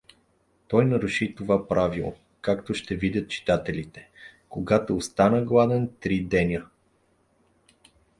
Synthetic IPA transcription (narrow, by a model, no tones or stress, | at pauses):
t̪ɔjnɐɾuʃit̪ovapɾavilˠo̰ | kakt̪oʃt̪ɛvid̪ʲət̪̚t͡ʃi̥t̪at̪ɛlʲit̪ɛ̥koɡat̪oːst̪anəɡlˠad̪ɛnt̪ɾid̪ɛnʲə